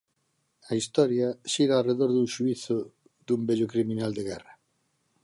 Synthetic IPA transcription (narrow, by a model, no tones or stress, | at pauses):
ɐist̪ɔɾjɐʃiɾaːreðoɾðuŋʃuiθʊ | d̪umbeʎʊkɾimĩnald̪eɣɛrɐ